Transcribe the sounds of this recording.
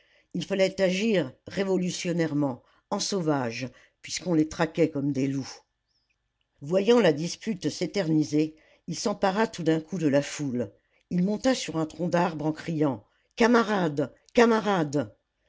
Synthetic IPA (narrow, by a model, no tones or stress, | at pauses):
ilfalɛt̪aʒiʁːevɔlysjɔnɛʁmɑ̃ | ɑ̃sovaʒ | pɥiskɔ̃let̪χakʲɛkɔmd̪elu | vwajɑ̃lad̪ispyt̪set̪ɛʁnize | ilsɑ̃paʁat̪ud̪ɛ̃kʰud̪əlaful | ilmɔ̃t̪asyʁɛ̃t̪χɔ̃d̪aʁbʁɑ̃kχijɑ̃ | kamaʁad̪ | kamaʁad̪